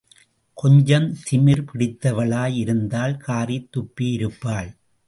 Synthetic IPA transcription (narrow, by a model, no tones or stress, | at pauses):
kɔɲd͡ʒɐnsɪmɪɾpɪɽɪt̪ːɐʋɐɭaːjɪɾɯnd̪aːlkʰaːrit̪ːʊpːijɪɾɯpːaːɭ